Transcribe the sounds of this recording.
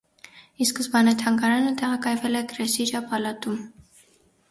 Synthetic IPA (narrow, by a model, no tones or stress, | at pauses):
iskəzbɑnɛt̪ʰɑŋɡɑɾɑnət̪ɛʁɑkɑjvɛlɛɡɾɛsid͡ʒɑpɑlɑt̪um